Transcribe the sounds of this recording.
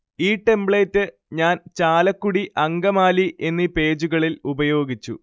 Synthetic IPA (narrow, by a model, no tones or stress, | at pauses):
iːʈe̞mbɭeːtːɨ | ɲaːnt͡ɕaːlɐkːuɽiʔɐŋɡɐmaːliʔe̞nːipe̞ːd͡ʑuɣɐɭilubɐjo̞ːɡit͡ɕːṵ